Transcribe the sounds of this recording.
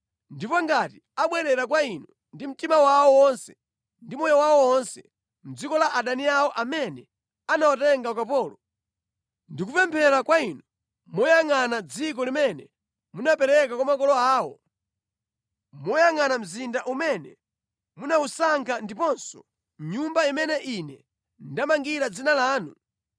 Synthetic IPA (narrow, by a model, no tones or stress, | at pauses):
ndipɔŋɡati | aɓwɛɾɛɾakwainɔ | ndim̩timawawɔwɔnsɛ̥ | ndimɔjɔwawɔwɔnsɛ | m̩d͡zikɔlaʔaɗaniawɔʔamɛnɛ | anawatɛŋɡakapɔːlɔ | ndik̬upɛmpʰɛɾakwainɔ | mɔjaŋanad͡zik̬ɔlimɛnɛ | munapɛɾɛkakwamakɔlɔaːwɔ̰ | mɔjaŋanam̩zindaʔumɛnɛ | munausaŋkʰandipɔnsɔ̥ | ɲumbaimɛnɛʔinɛ | ndamaŋɡiɾad͡zinalaːnu